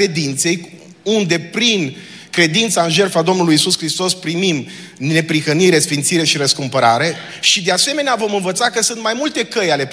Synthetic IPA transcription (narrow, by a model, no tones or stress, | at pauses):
e̞d̪int̪se̞j | und̪e̞pɾin | kɾe̞d̪int̪saɨnʒe̞rfad̪o̞mnulujisuskɾist̪o̞spɾimim | ne̞pɾixəniɾe̞sfint̪siɾe̞ʃiɾəskumpəɾa̰ɾe̞ | ʃid̪ease̞me̞neavo̞mɨnvət̪sakəsunt̪majmult̪e̞kəjale̞